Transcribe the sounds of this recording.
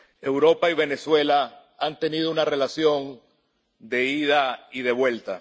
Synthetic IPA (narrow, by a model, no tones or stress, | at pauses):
e̞wɾo̞paiβe̞ne̞swe̞la | ant̪e̞nið̞o̞unare̞lasjo̞n | d̪e̞iðaið̞e̞βwe̞lt̪a̰